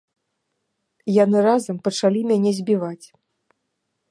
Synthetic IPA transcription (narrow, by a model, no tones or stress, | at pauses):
janɨɾazɐmpɐt͡ʂalʲimʲanʲɛzʲbʲivat͡sʲ